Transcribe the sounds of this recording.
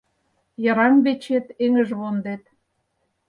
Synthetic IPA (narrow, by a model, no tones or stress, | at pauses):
jə̆ɾɑmβet͡ɕet̪eŋə̆ʒβond̪et̪